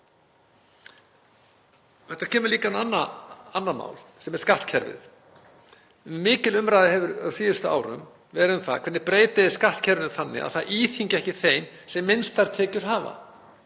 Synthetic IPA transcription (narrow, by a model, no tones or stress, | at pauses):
hɛht̪aɾ̥cʰɛːmʏɾliːkaɛnanːaanːama̰ːwlsɛmɛɾ̥skaht̪cʰɛɾvɪ̰θ | mɪːcɪlʏmɾajðɪhɛvʏɾawsiːðʏst̪ʏa̰ːwɾʏ̰m | vɛːɾʏmθa̰kʰɛɾt̪nɪpɾeːjt̪ɪðɪ̥skaht̪cʰɛɾvɪnʏmθanːɪ̰a̰ðθaʔiːθiɲcɪɛhcɪθejn | sɛmːɪnst̪aɾ̥t̪ʰɛːcʏɾ̥ɦaːva̰